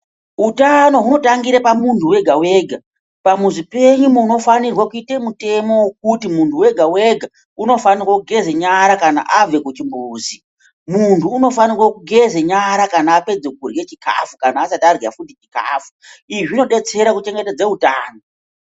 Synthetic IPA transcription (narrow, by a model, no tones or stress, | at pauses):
ɦutano̞ɦuno̞taŋɡiɾepamuntʰuwe̞ɡʱawe̞ːɡʱa | pamuʐipe̞ɲumuno̞fanirwakuitemute̞mo̞wok̚utimuntʰuwe̞ɡʱawe̞ɡʱa | uno̞fanirwakuɡʱe̞zeɲaɾakana̰ʔave̞kut͡ʃimbuːzi | muntʰuːno̞fanirwakuɡʱe̞zeɲaɾakanaːpe̞d͡zekurjet͡ʃika̰fukanaːsatarja̰futit͡ʃika̰ːfuiʐino̞ɗe̞t͡se̞ɾakut͡ʃe̞ŋɡe̞ted͡zeɦutaːno